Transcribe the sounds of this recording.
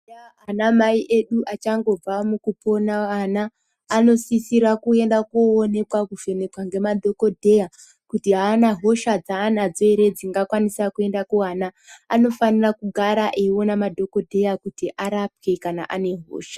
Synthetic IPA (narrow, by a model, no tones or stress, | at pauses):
ɦanamaiʔe̞ɗuʔat͡ʃaŋɡo̞b͡vamukupo̞naanaː | no̞sisiɾakue̞ndakoone̞kwakuve̞nekwaŋɡe̞madʱo̞ko̞dʱe̞ja | kutiɦaːnaɦo̞ʃad͡zaːnad͡zoiɾe̞d͡ziŋɡakwanisakue̞ndakuanaː | no̞fanirakuɡʱaɾaʔeio̞namadʱo̞ko̞dʱe̞jakutiʔaɾap̚ke̞kana̰ʔane̞ɦo̰ːʃḁ